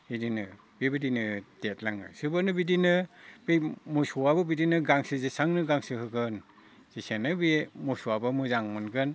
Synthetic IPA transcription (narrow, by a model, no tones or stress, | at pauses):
hidinɯ | bibɯdinɯdet̚laŋɯ̰sɯbɯnɯbidinɯbimusuwabɯbidinɯɡaŋsɯzisaŋnɯɡaŋsɯhɯɡɯn | z̥isenɯbimusuabɯmɯzaŋmɯnɡɯn